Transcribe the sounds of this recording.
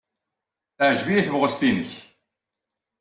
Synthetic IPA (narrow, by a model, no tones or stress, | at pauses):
əʕəʒvijæθəvʁəst̪inəç